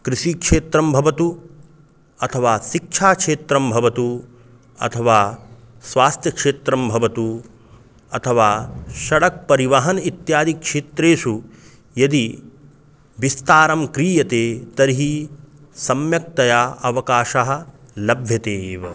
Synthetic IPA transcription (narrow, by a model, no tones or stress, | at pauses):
kɾiʃikʂeːt̪ɾɐmbʱɐʋɐt̪u | ɐt̪ʰɐʋaːʃik̚ʂʰaːkʂeːt̪ɾɐmbʱɐʋɐt̪u | ɐ̰t̪ʰɐʋaː | sʋaːst̪ʰjɐkʂeːt̪ɾɐmbʱɐʋɐt̪u | ɐt̪ʰɐʋaːʃɐɽɐk̚pɐɾiʋɐɦɐnit̪jaːd̪ikʂeːt̪ɾeːʃu | jɐd̪i | ʋist̪aːɾɐmkɾiːjɐt̪eːt̪ɐɾiɦi | sɐmjɐk̚t̪ɐjaɐʋɐkaːʃaɦɐ̆lɐbʱjɐt̪eːʋɐ